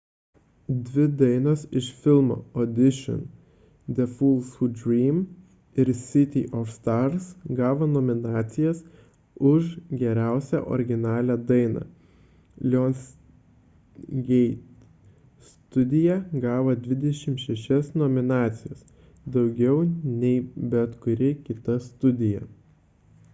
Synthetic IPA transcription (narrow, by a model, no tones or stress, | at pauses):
d̪ʲʋʲɪd̪ɐɪnoːsɪʃfʲɪlˠmo̰ːɔd̪ʲɪʃʲɔ̰n | d̪ʲɛfuːlˠsʊdʲɾʲiːm | ɪɾsʲɪt̪ʲiʔɔfst̪ɑɾsɡɑːʋonɔmʲɪnɑːt̪sʲɪjɛs | ʊʃɡʲɛɾʲæˑʊsʲæ̰ʔɔ̰ɾʲɡʲɪnɑːlʲæːd̪ɐɪnɑ̰ː | lʲɔns | ɡʲɛɪt̪ | st̪ʊd̪ʲɪjɛɡɑːʋɐd̪ʲʋʲɪd̪ʲɛʃʲɪmʃʲɛʃʲɛsnɔmʲɪnɑːt̪sʲɪjos | d̪ɐʊɡʲɛʊnʲɛɪbʲɛt̪kʊɾʲɪkʲɪt̪ɐst̪ʊd̪ʲɪjɛ̰